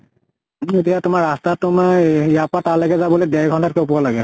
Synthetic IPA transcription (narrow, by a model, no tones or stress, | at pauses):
etijatʊmaɹastatʊmajapataɹlɛɡɛzabɔlojdɛɹɡʱɔntatkɛʊpualaɡɛ